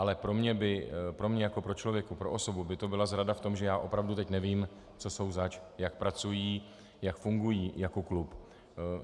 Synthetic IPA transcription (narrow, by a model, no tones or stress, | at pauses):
ʔalɛpɾo̞mɲɛbɪpɾo̞mɲɛjako̞pɾo̞t͡ʃlo̞vjɛkupɾo̞ʔoso̞bubɪt̪o̞bɪlazɾadaft̪o̞mʒɛjaːʔo̞pɾavdut̪ɛcnɛviːm | t͡so̞so̞wzat͡ʃjak̚pɾat͡sujiː | jakfuŋɡujiːjako̞klup